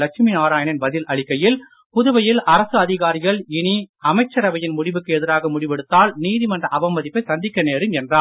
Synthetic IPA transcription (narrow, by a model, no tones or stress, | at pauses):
ɐkʂminaːɾaːjɐɳɪnbɐðɪlʔɐɭɪkːɐjɪl | pʊðʊʋɐjɪlʔɐɾɐsɯɐðɪɣaːɾɪɣɐɭɪɳiɐmɐɪt͡ʃːɐɾɐʋɐjɪnmʊɽɪʋɯkːɯɛðɪɾaːɣɐmʊɽɪʋɛɽɯt̪ːaːlniːðimɐndrɐʔɐbɐmːɐðɪpːɐɪsɐnd̪ɪkːɐneːɾɯmɛndraː